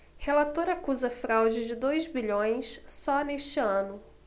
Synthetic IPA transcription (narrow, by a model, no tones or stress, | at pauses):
helat̪oɾɐːkuzɐfɾawd͡ʒɪd͡ʒɪd̪ojzbiʎõj̃ssɔneʃt͡ʃɪɐ̃nʊ